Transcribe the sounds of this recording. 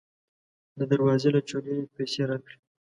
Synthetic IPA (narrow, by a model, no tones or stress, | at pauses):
d̪əd̪aɾwɑzelat͡ʃolewepajseɾɑkɽi